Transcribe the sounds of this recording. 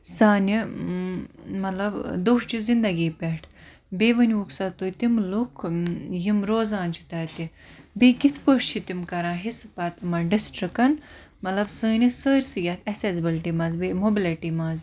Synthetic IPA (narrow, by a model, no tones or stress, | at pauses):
saːnʲi | mɐlɐbd̪oːʃt͡ʃʰizind̪ɐɡiːpeʈʰ | beːʋɐnʲuksɐt̪ojt̪imlukʰjimɾoːzãːnʲt͡ʃʰi̥t̪ɐːt̪i | bikit̪ʰpəʂt͡ʃʰit̪imkɐɾãːɦisɨpat̪ɨmɐɖisʈɾikɐn | mɐt̪lɐbsəːnʲisəːɾʲsɨjʲɐt̪ʰɐsesbilʈiːmɐːzbemobilɐʈimaːz